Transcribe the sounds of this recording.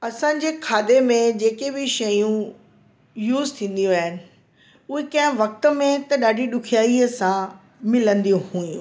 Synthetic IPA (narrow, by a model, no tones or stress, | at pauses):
ɐsãːɲ̆d͡ʑeːkʰaːd̪emẽd͡ʑeːkebɪʃɐjũ | juːzt̪ʰĩːn̆d̪ijũaːɦɪnɪ̆ | ʊɦekɐ̃ɦɪ̃ʋɐk̚t̪ə̆mẽt̪ɐɗaːɖʱiɗʊkʰijaːiəsã | mɪlə̃nd̪ijũhũːjũ